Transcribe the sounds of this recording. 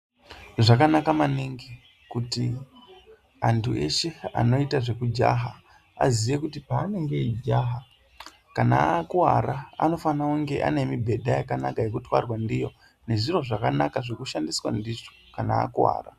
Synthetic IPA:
ʐakanakamaniŋɡi | kuti | antʰue̞̰ʃe̞a̰no̞itaʐe̞kud͡ʒa̰ɦa | a̰zijekutipaːne̞ŋɡe̞id͡ʒaːɦa | kana̰kuwa̰raa̰no̞fanauŋɡe̞ʔa̰ne̞mibʱe̞dʱajakanakaje̞kutwa̰rwandijo̞ | ne̞ʐiro̞ʐakanakaʐe̞kuʃandiswa̰ndiʐo̥ | kana̰ːkuwa̰ːra̰

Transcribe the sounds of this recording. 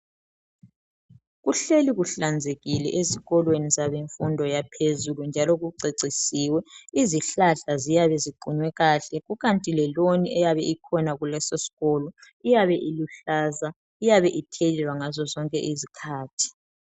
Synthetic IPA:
ɣuɬeliɣuɬand͡zʱeɣilɛʔeziɣɔlwenizaβeɱfundʱɔjapʰezulund͡ʒʱalɔɣuǀeǀisiːwɛiziɬaɬazijaβɛziɡ͡ǃʱuɲwɛɣaːɬɛɣuɣantʼilɛloniɛjaβɛʔikʰɔnaɣulɛsosi̥ɣɔːlɔ | ijaβɛʔiluɬaːza | ijaβɛʔitʰelilwaŋazɔzɔŋkʼɛ̰ʔizikʰaːtʰi̥

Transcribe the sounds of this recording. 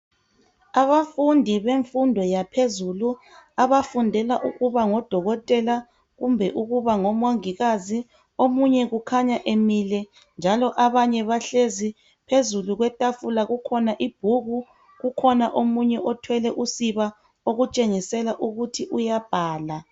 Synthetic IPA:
aβafundʱiβeɱfundʱɔjapʰezulu | aβafundʱɛlaʔuɣuβaŋɔd̥ʱɔɣɔtʼɛla | ɣumbʱɛʔuɣuβaŋɔmoŋiɣazi | omuɲɛɣukʰaɲaʔemilɛ | nd͡ʒʱalɔʔaβaɲɛβaɬezi | pʰezuluɣwɛtʼafulaɣukʰɔnaʔib̥̚ʱuɣu | ɣukʰɔnaʔomuɲɛʔɔtʰwɛlɛʔusiβa | oɣut͡ʃʼeŋisɛlaʔuɣutʰiʔujab̥ʱaːla

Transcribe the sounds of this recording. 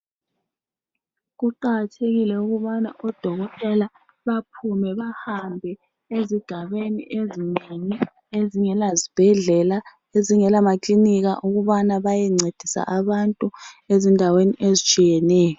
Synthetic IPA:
ɣuǃaɣatʰeɣilɛuɣuβana̰ʔɔd̥ʱɔɣɔtʼɛla | βapʰumɛβahambʱɛ | eziɡ̥ʱaβeniʔezineŋi | eziŋɛlazib̥ʱɛɮɛla | eziŋɛlamakliniɣa̰ʔuɣuβanaβajɛŋ͡ǀed̥ʱisa̰ʔaβantʼuezindʱaweniʔezit͡ʃʼijɛnɛːjɔ

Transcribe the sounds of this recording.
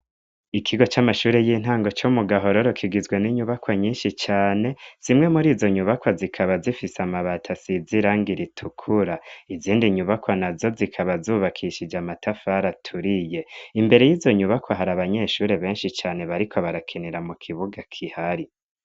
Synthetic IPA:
ikʰiɡo̞t͡ʃamaʃuːɾejiːn̥haːŋɡo̞t͡ʃomuɡaɦo̞ɾoɾokʰiɡizɡwe̞niɲuβakwaɲiːnʃit͡ʃaːne̞z̥imŋe̞muɾiːzo̞ɲuβakwazikʰaβazifisamaβatʰasiziɾaːŋɡiɾitʰukʰuɾaiziːndiɲuβakwanazo̞zikʰaβazuːβakʰiʃid͡ʒamatʰafaɾatʰuɾije̞imbe̞ɾe̞jiːzo̞ɲuβakwaɦaɾaβaɲe̞ʃuːɾe̞βe̞ːnʃit͡ʃaːne̞βaɾikʰo̞βaɾakʰiniɾamukʰiβuɡakʰihaɾi

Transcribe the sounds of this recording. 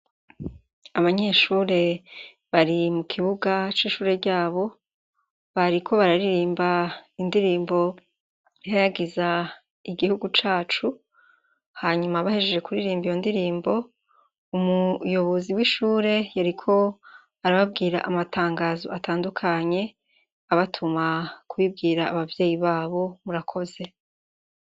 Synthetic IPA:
aβaɲe̞ʃuːɾe̞ | βaɾimukʰiβuɡat͡ʃiʃuːɾe̞ɾɟaːβo̞ | βaɾikʰo̞βaɾaɾiɾiːmbaindiɾiːmbo̞ | iɦajaɡiza | iɡihuɡut͡ʃaːt͡ʃu | haɲumaβahe̞d͡ʒed͡ʒe̞kuɾiɾiːmbijondiɾiːmbo̞ | umujo̞βo̞ziwiʃuːɾe̞jaɾikʰo̞ | aɾaβab̚ɡiːɾa̰ʔamatʰaːŋɡaːzo̞ʔatʰaːndukʰaɲe̞ | aβatʰumakuβib̚ɡiːɾaːβavje̞ːjiβaːβo̞muɾakʰo̞ze̞

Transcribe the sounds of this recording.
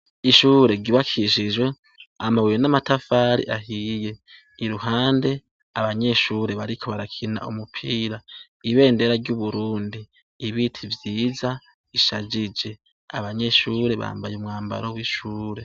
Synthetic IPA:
iʃuːɾe̞ɡiβakʰiʃid͡ʒwe̞ | amawiɾenamatafaːɾḭʔaɦije̞ | iɾuɦaːnde̞ | aβaɲe̞ʃuːɾe̞βaɾikʰo̞βaɾakʰina̰ʔumupʰiːɾa | iβe̞ːnde̞ɾaɾɟuβuɾuːndiː | βitʰivjiːza | iʃad͡ʒid͡ʒe̞ | aβaɲe̞ʃuːɾe̞βa̰ːmbajumŋaːmba̰ɾowiʃuːɾe̞

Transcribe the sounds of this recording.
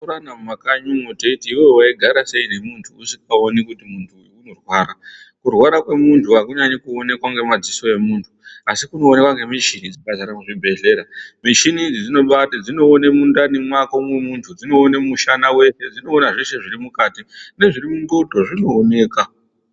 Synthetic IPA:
uɾanammakaɲumoteitiiwewaiɡʱaɾase̞ine̞muntʰuusikaonikutimuntʰuːno̞rwaːɾa | kurwaɾakwe̞muntʰuakuɲaɲekuone̞kwaŋɡe̞mad͡ziso̞e̞muntʰu̥asikuno̞ːne̞kwaŋɡe̞miʃinid͡ziɓazaɾamuʐibʱe̞ɮe̞ːɾamiʃinid͡zid͡zino̞ɓatad͡zino̞ːnemundanemwakomemuntʰud͡zino̞ːnemuʃanawe̞se̞d͡zino̞ːnaʐeʃe̞ʐirimukaːtine̞ʐirimundodʱoʐino̞ːne̞ːka

